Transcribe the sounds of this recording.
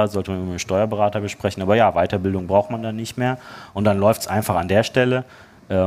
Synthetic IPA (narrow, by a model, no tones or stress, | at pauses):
zɔltəmanɪbɪmʃtɔʏɐbəʁaːtɐbəʃpʁ̥ɛçn̩ʔaːbɐjaːvaɪtɐbɪldʊŋbʁaʊxtmandanːɪçtmeːɐʔʊntd̥anlɔʏftsʔaɪnfaχandeːɐʃtɛlə | ʔɛː